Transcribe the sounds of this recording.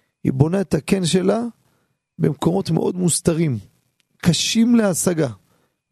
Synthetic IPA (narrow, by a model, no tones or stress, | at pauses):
hḭbo̞naet̪ake̞nʃe̞la | be̞mko̞mo̞t̪meʔo̞̰d̪must̪aʁim | kʰaʃimleasaɡa